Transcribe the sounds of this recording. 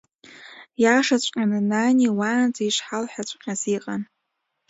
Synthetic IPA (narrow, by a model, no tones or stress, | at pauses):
jaːʂat͡ɕʷʼqʲʼanɨnaniwaːnt͡sʼaiʂħalħʷᶣat͡ɕʷʼqʲʼasiqʼan